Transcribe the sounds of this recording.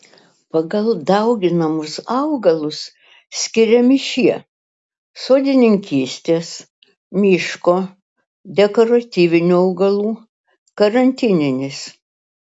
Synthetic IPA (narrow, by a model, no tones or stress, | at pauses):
pɐɡɐlˠd̪ɐʊɡʲɪnɐmʊsɐʊɡɐlˠʊs | sʲkʲɪɾʲɛmɪʃʲiɛ | soːd̪ʲɪnʲɪŋʲkʲiːsʲt̪ʲeːs | mʲɪʃkoː | d̪ʲɛkoːɾɐt̪ʲiːʋʲɪnʲuːɐʊɡɐlˠuː | kɐɾɐnʲt̪ʲɪnʲɪnʲɪs